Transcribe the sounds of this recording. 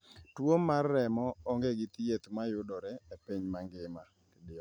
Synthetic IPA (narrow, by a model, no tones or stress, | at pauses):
twomːarːɛmɔːŋɡeɡɪt̪jet̪majʊdɔɾɛepiɲmaŋɡɪma | kedɪɔ